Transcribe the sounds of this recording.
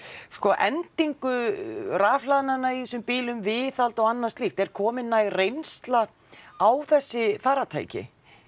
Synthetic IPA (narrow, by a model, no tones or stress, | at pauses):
skɔʔɛnt̪iŋkʏraːflaðnanaiθɛsʏmpiːlʏmvɪːθalt̪ɔɣanːḁst̪liːxt̪ɛɾ̥kʰɔːmɪnːajrejnst̪la | awθɛsːɪfaːɾat̪ʰa̰ːjcɪ̰